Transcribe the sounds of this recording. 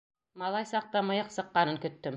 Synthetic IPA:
mɑlˠɑjsɑq̚t̪ɑmɤ̆jɤqsɤ̆qːɑnɤŋkɵ̆t̪ːɵm

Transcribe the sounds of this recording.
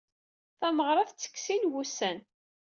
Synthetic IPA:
θæməʁɾˤɑθt͡sːə̥kːsinwusæn

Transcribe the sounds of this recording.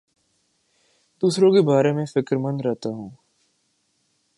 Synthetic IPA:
d̪uːsɾõkebaːɾemẽfɪkɾmə̃nd̪ɾɛɦt̪aɦũː

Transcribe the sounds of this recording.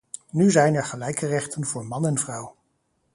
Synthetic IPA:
nyzɛjnɛɹχəlɛjkərɛχtənvʊːɹmɑnɛnvrɑw

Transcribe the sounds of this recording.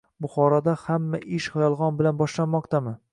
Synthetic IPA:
bʊχɒɾɒd̪ahamːaʔɪʃhajɒlˠʁɒnbɪlanbɒʃlanmɒqt̪ʰamɪ

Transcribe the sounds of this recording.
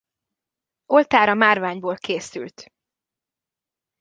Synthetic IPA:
o̞lt̪aːɾɒmaːrvaːɲboːlkʰeːsy̰lt̪

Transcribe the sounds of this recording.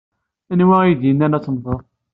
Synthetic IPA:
ænwæiðinːænæt͡sːnðˤoðˤ

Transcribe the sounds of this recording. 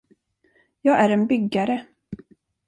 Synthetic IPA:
jɑːɡæɾɛnbʏɡːaɾə

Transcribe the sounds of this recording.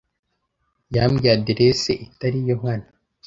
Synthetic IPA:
jamɡadeɾeseʔit̪aɾijoŋan

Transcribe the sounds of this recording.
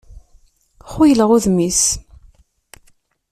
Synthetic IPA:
χujələʁʊðmis

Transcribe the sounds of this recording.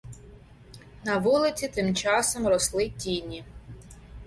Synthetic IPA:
nɐʋulˠɪt͡sʲit̪ɪmt͡ʃɑsɔmrɔslˠɪtʲinʲi

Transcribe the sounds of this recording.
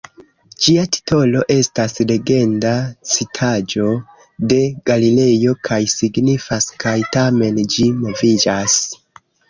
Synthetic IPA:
d͡ʒiati̥tʰo̞lo̞ʔe̞stasle̞ɡe̞ndat͡sitʰad͡ʒo̞ | de̞ɡ̥alile̞jo̞kʰajsiɡnifaskajtame̞nd͡ʒimo̞vid͡ʒas

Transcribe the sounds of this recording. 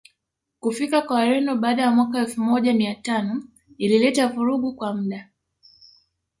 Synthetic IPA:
kufikakwaaɾɛndɔɓaːɗajamwakaɛlfumɔʄamiatanɔ | ililɛtavuɾuɠukwam̩ɗa

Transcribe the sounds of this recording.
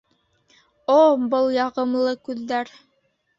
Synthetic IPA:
obɤlˠjɑʁɤ̆mlˠɤkʉðːæɾ

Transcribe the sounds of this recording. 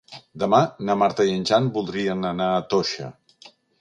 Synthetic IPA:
d̪əmanəmaɾt̪əiənʲʒanbulˠd̪ɾiənənaət̪oʃə̰

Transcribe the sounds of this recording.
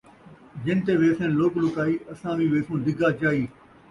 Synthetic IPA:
d͡ʒɪnt̪eːʋeːsẽnloːklʊkaːiːʔɐsãːʋĩːʋeːsõːd̪ɪɡʱaːt͡ʃaːĩː

